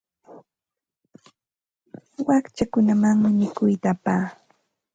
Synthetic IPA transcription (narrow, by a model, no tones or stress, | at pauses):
wakt͡ʃakʊnamaŋmɪmɪkʊjt̪apaː